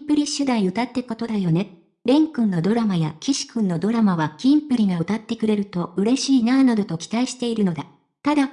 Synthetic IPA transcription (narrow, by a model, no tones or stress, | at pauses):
pɯ̟ɾʲiɕɨd̪aiɯ̟t̪at̪ːe̞ko̞t̪o̞d̪ajo̞ne̞ | ɾẽ̞ŋkɯ̟̃nːo̞d̪o̞ɾamajakʲiɕi̥kɯ̟̃nːo̞d̪o̞ɾamaβakʲĩmpɯ̟ɾʲiɡaɯ̟t̪at̪ːe̞kɯ̟ɾe̞ɾɯ̟t̪o̞ɯ̟ɾe̞ɕiːnaːnad̪o̞t̪o̞kʲi̥t̪aiɕi̥t̪e̞iɾɯ̟no̞d̪a | t̪ad̪a